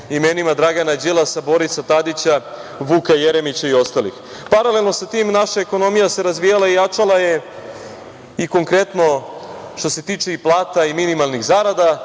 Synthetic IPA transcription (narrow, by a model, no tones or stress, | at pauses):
imeːnimad̪ɾaɡanad͡ʑilˠasabo̞ɾisat̪ad̪it͡ɕa | ʋukajeɾemit͡ɕaio̞st̪alḭx | paɾale̞lˠno̞sat̪iːmnaʃaeko̞no̞mijase̞ɾazʋijalaijat͡ʂalˠaje̞ | iko̞ŋkɾe̞t̪no̞ʃt̪o̞se̞t̪iːt͡ʂeiplˠaːt̪aiminimalˠniɣzaɾad̪a